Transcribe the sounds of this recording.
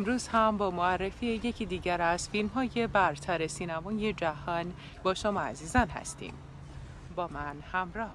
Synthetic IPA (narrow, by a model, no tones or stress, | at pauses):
emɾuːz̥hæmbɒːmoærːe̞fiːeje̞cʰiːd̪iːɟæɾæz̥filmɦɒːje̞bæɾt̪ʰæɾe̞siːnæmɒːje̞d͡ʒæhɒːn | bɒːʃomɒæ̰ziːzɒːnhæ̰st̪ʰḭːm | bɒːmænhæmɾɒːh